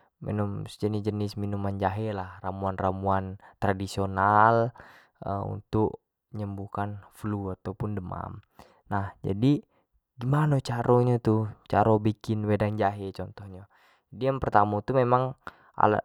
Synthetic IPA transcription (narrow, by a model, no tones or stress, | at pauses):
mʔɛ̰nɔmsd͡ʒənid͡ʒənisminumand͡ʒaɦɛlahramuanramuant̪ɾadisional | ə̰ṵnt̪ʊk | ɲəmbukanfluat̪aupundəma̰m | nahd͡ʒa̰di | ɡimanot͡ʃaɾʔoɲat̪ut͡ʃaɾɔbikɪnwɛdaŋd͡ʒaɦɛt͡ʃɔnt̪ɔhɲa | adijaŋpərt̪amot̪umemaŋ | a̰la̰